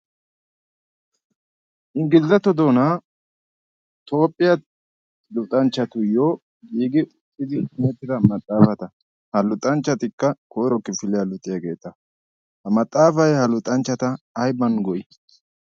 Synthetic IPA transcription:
ʔɪŋɡɪlzɐt̪ɔd̪o̞ːna | t̪o̞ːpʼːɪjɐ | lʊt̪ʼɐnt͡ʃːɐt̪ʊjoː | ɡiːɡɪʊtʼːɪd̪ɪʊmɛt̪ːɪd̪ɐmɐt̪ʼːaːfɐt̪ɐ | hɐlʊt̪ʼɐnt͡ʃːɐt̪ɪkːɐkʰoːɾɔkːɪfɪlɪjɐlʊt̪ʼːɪjaːɡe̞̰ːt̪ːɐ | hɐmɐt̪ʼːaːfɐjhɐlʊt̪ʼːɐnt͡ʃːɐt̪ɐː | jbɐnɡɔʔɪ

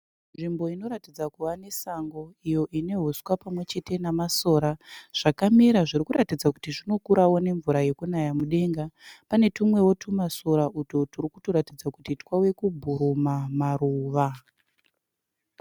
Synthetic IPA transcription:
nʐimbo̞ino̞ɾatid͡zakuʋane̞saŋɡo̞ijo̞ʔine̞ɦuswapamwe̞t͡ʃe̞te̞namaso̞ːɾaʐ̥akamiɾaʐiɾikuɾatid͡zaku̥tiʐino̞kuɾawo̞ne̞ɱvuɾaje̞kunajamuɗe̞ŋɡapane̞tumwe̞wotʰumaso̞ɾaʔutoturikuto̞ɾatid͡zakutitwawe̞kubʱuɾumamaruːʋa

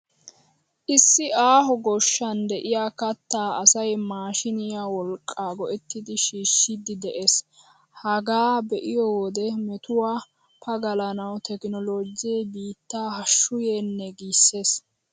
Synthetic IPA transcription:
ʔɪsːɪaːɦɔɡɔʃːɐnd̪ɛʔɪjaːkɐt̪ːaːɐsɐjmaːʃɪnɪjaːwɔlkʼːaːɡɔʔɛt̪ːɪd̪ɪʃiːʃːɪd̪ɪd̪ɛʔes | hɐɡaːbɛʔɪjoːwd̪ɛmɛt̪ʊwaː | pʰɐɡɐlɐnɐwt̪ʰɛknɔloːd͡ʒɪjɛbiːt̪ːaːhɐʃːʊjeːnːɛɡiːsːe̞ːs

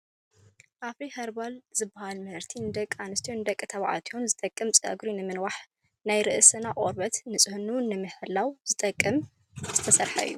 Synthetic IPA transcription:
ʔafihɐɾbalzɨbːahalmɨhɨɾt̪ʰind̪ɐkʼːanɨst̪ʰiond̪ɐkʼːɨt̪ʰɐβʕa̰t̪ʰionzɨt̪ʼɐkʼːɨmt͡sʼɐ̰ɡɾinɨmɨnwaħ | najɾɨʔɨsɨnaʔʼoɾbɐt̪nɨsʼɨhunuwʊnːɨmɨħɨlːawz̥ɨt̪ʼɐkʼːɨm | z̥ɨt̪ʰɐsɐɾħa̰ʔɨ̰jːu

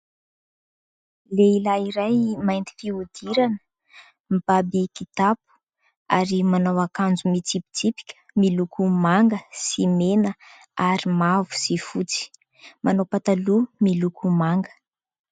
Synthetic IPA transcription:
leilaiɾajmajnt̪i̥fiud̪̥iɾanə̥ | mb̥abikit̪ap̚u̥ | aɾimanawakand͡zumit͡sipi̥t͡sipi̥kʲə̥milukʰumaŋɡəsimenə | aɾimavu̥z̥ifut͡si̥ | mʔanawpat̪alumilukumaŋɡə̥

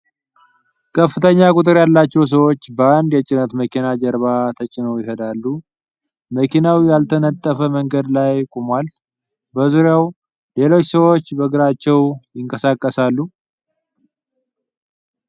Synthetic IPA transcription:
kʰəfɨt̪ʰəɲːakʼʊt̪ʼɨɾjalːat͡ʃːɛws̬əwo̞t͡ʃːbəand̪jɛt͡ʃʼɪnət̪məkʰinad͡ʒəɾβat̪ʰət͡ʃʼɪnowjɪhəd̪alːu | məkinawjalt̪ʰənət̪ʼːəfəməŋɡəd̪lajkʼumal | bəzuɾjaw | le̞lo̞t͡ʃːsəwo̞t͡ʃːbəɡɨɾat͡ʃːɛwjɪŋkʼəsakʼːəsalːu

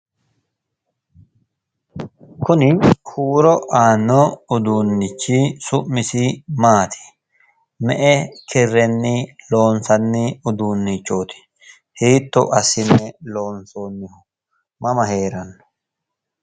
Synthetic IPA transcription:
kʊnɪhuːɾɔʔaːnːoʊd̪uːnːɪt͡ʃːiːsʊʔmːɪsiːmaːt̪ʰɪ̥ | mɛʔɛkʰɪrːɛnːilo̞ːnsɐnːɪʊd̪uːnːɪt͡ʃːoːt̪ɪ̥ | hiːt̪ːɔ̰ʔɐsɪnːɛlo̞ːnsoːnːɪhʊ | mɐmɐheːɾɐnːɔ̥

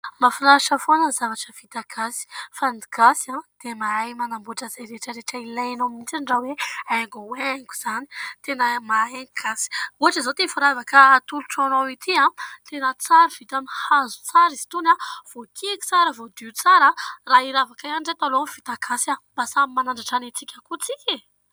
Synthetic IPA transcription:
mafilaʃafonəzavaʈ͡ʂəvit̪akʰasi̥fand̪iɡasad̪̥emaajmanambuʈ͡ʂəzajɾeʈ͡ʂəɾeʈ͡ʂəilajenomint͡sanɖ͡ʐaweaŋɡoweŋɡuz̥ani̥t̪enəmaɦeɡasi̥uɦaʈ͡ʂəzat̪efuɾavakət̪uluʈ͡ʂanowit̪ʰiat̪enət͡saɾav̥it̪amihazu̥t͡saɾizi̥t̪unav̥okʰiki̥t͡saɾəvod̪iut͡saɾaraiɾavakajanɖ͡ʐet̪alonfit̪aɡʰasab̥asamimanaɳɖ͡ʐaʈ͡ʂanit͡sikʲakut͡sikʲe

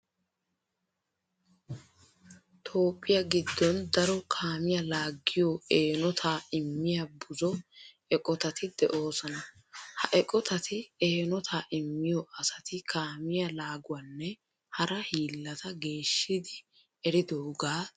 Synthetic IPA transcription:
t̪ʰo̞ːpʼːɪjaɡɪd̪ːɔnd̪ɐɾɔkʰaːmɪjalaːɡːɪjɔeːnɔt̪ʰaːɪmːɪjabʊzɔ | ɛkʼɔt̪ɐt̪ɪd̪ɛʔo̞ːsɔnɐ | hɐʔɛkʼɔt̪ɐt̪ʰɪeːnɔt̪ʰaːʔɪmːɪjɔʔɐsɐt̪ɪkʰaːmɪjɐlaːɡʊwanːɛ | hɐɾɐhiːlːɐt̪ɐɡe̞ːʃːɪd̪ɪ | ɛɾɪd̪oːɡaː

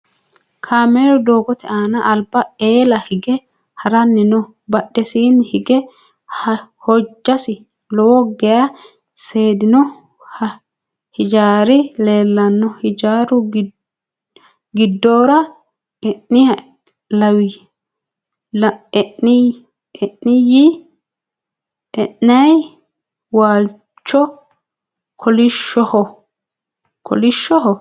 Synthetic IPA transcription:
kʰaːmeːɾɔd̪o̞ːɡɔt̪ʰɛaːnɐʔːlbɐeːlɐhɪɡɛ | hɐɾɐnːɪnɔ | bɐɗːɛsiːnhɪɡɛ | hhɔd͡ʒːɐsɪ | lɔwɔɡɛja | se̞ːd̪ɪnɔ | h | hɪd͡ʒaːɾɪle̞ːlːɐnːɔhɪd͡ʒaːɾʊ | ɡɪd̪ːoːɾɐ | ɛʔːɪ | lɐwɪ | lɛʔnɪ | ɛʔːɪji | ɛʔnɐj | waːl | t͡ʃːɔ | kʰɔlɪʃːɔhɔ | kɔ̰lɪʃːɔɦɔ

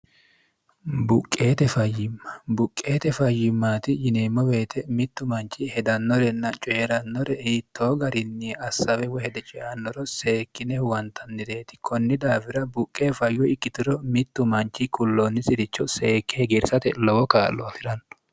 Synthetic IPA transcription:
bʊkʼːe̞ːt̪ɛfɐjːɪmːɐ̥bʊkʼːeːt̪ɛfɐjːɪmːaːt̪ɪjɪneːmːɔweːt̪ʰɛmɪt̪ːʊmɐnt͡ʃːɪhɛd̪ɐnːɔɾɛnːɐt͡ʃʼeːɾɐnːɔɾɛhit̪ːo̞ːɡɐɾɪnːiɐsːɐwɛwɔhɛd̪ɛt͡ʃʼɪʔɐnːɔɾɔse̞ːkːɪnɛwɐnt̪ʰɐnːɪd̪e̞ːt̪ɪ̥kʰɔnːɪd̪aːfɪɾɐbʊkʼːeːfɐjːɔɪkːɪt̪ɪɾɔmɪt̪ːʊmɐnt͡ʃːɪkʊlːoːnːɪsɪd̪ɪt͡ʃːɔse̞ːkːɛɡɛɾsɐt̪ɛlɔwɔkaːlːɔɐfɪɾɐn

